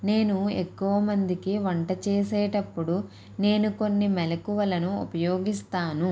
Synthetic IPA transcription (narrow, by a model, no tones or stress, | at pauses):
ne̞ːnuekːuʋɐmɐnd̪ikiʋɐɳʈɐt͡ʃeːseːʈɐpːuɽu | ne̞ːnuko̞nːimɛlɐkuʋɐlɐnuṵpɐjo̞ːɡist̪aːnu